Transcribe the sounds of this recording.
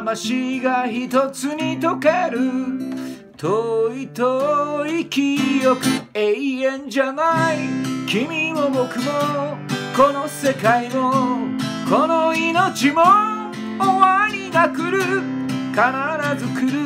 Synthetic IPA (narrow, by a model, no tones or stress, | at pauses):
maɕiɡaçit̪ot͡sɨɲ̟it̪o̞keɾɯ̟ | t̪ʰoit̪oikʲijokɯ̟eiẽ̞ɲd͡ʑanaikʲimʲimobokɯ̟moko̞no̞se̞kaimo | konoinot͡ɕimo | oβaɾʲinakɯ̟ɾɯkanaɾazɨkɯɾɯ